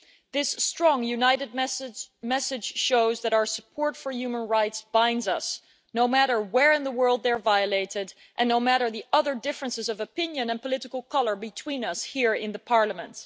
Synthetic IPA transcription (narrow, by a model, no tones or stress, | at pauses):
ðɪstɹ̥ɔ̃ŋjʉnaɪɾɨd̚mmɛsɨd̥ʒ̥ʃoʊzðɨɾaʊə˞sə̥pʰɔɹtfə˞jʉmə̃nɹaɪtsb̥ãɪ̃ndzʌs | noʊmæɾə˞wɛɹɨ̃nðəwɜ˞lˠd̪̚ðə˞vaɪɨleɪɾɪɾ | ʔɨ̃nːoʊmæɾə˞ðiʔʌðə˞dɪfɹɨ̃nsɨzʌvɨpɪ̃njɨ̃nɨ̃npəlɪɾɨkl̩ˠkʰʌlˠə˞bɨtʰw̥ĩnʌshiɹɪ̰̃nðəpʰɑɹləmə̰̃nt̚